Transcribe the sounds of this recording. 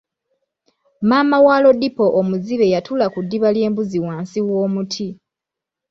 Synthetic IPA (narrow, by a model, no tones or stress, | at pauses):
maːmawaːlo̞dipoʔomuziβe̞jatʰulakudːiβalje̞ːmbuziwaːnsiwo̞ːmutʰi